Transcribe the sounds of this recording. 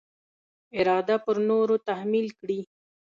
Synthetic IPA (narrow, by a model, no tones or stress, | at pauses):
ɪɾɑd̪apəɾnoɾot̪ahmilkɽi